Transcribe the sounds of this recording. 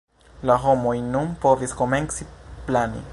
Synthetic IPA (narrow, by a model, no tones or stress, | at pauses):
laɦomojnumpoviskomeŋksiplanḭ